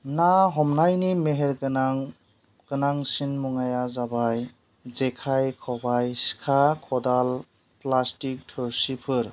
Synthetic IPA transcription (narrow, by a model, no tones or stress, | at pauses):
naɦɔmnajnimeɦeɾɡɯnaŋ | ɡ̥ɯnaŋsinmɔŋajazabaj | zekʰajkʰɔbajsi̥kʰakʰɔdal | plastik̚tʰɔɾsipʰɯɾ